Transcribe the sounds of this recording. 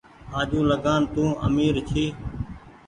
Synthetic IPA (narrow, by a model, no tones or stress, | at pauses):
ãːd͡ʒũːləɡaːnt̪ũːə̰miːɾt͡ʃʰiː